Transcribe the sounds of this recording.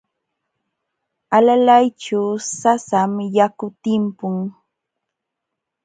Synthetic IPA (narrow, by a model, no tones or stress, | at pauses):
alalajt͡ʃaːsasamjakʊt̪ɪmpʊŋ